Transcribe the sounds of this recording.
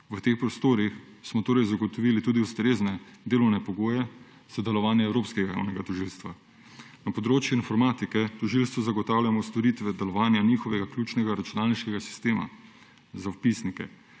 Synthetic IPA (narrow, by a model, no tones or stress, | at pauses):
ʋət̪eːxpɾɔst̪oːɾix | smɔt̪oːɾɛjzaɡɔt̪ɔʋiːlit̪uːd̪iust̪ɾeːznɛd̪eːlɔwnɛpɔɡoːjɛ | z̥ad̪ɛlɔʋaːnjɛɛwɾoːpskɛɡaja̰wnɛɡat̪ɔʒilst̪ʋa | napɔd̪ɾoːt͡ʃjuinfɔɾmaːt̪ikɛt̪ɔʒilst̪ʋɔzaɡɔt̪awljamɔst̪ɔɾiːt̪ʋɛd̪ɛlɔʋaːnjaniːxɔʋɛɡaklʲuːt͡ʃnɛɡaɾat͡ʃunaːlniʃkɛɡasi̥st̪eːma̰ | zawpisnikɛ̰